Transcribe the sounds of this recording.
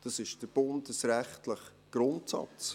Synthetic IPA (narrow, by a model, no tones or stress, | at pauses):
d̥ɑsɪʃd̥əɾb̥ʊndəsɾɛχtləχ | ɡ̥ɾʊntsɑ̰t͡s